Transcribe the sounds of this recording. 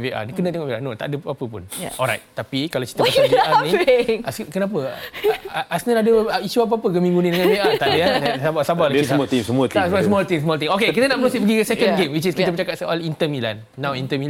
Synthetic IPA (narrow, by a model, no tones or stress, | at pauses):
veʔa̰nkənət̪eŋɔʔveanot̪a̰ʔadəpapəpʊnɔlɾa̰jt̪t̪apikalawt͡ʃi̥t̪əpaaeanĩaskənãp̬ə | ʔasnəladəiʃuap̬apəɡəmĩŋɡunĩdəŋãnveʔat̪aʔdəasabasabalaisamɔt̪isəmut̪sasmɔlt̪ĩŋsmɔlt̪ĩŋokekit̪ənaʔmənusit̚pəɡiəsɛkənɡemwit͡ʃiskiəbət͡ʃakat̪̚səʔalint̪əmĩla̰nːãwint̪əmil